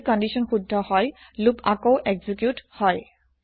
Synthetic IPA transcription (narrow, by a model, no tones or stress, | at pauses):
kɔndisɔnxudʱːɔhɔj | lupakowʔɛɡzikjuthɔj